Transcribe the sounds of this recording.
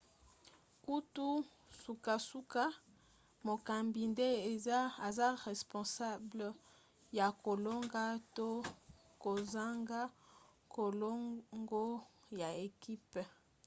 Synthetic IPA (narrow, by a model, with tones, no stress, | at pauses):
ku˦tu˦ | su˨ka˨su˦ka˦ | mo˨ka˨mbi˨nde˦e˨za˦a˨za˦ʁɛ˨spɔ̃˨sa˦blə˨ | ja˨ko˨lo˦ŋɡa˦to˦ | ko˨za˦ŋɡa˦ | ko˨lo˦ŋɡo˦ja˨e˨ki˦p